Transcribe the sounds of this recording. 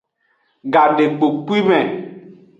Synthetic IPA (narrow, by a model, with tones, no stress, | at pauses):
ɡa˨de˨ɡ͡bo˨k͡pi˦mɛ̃˨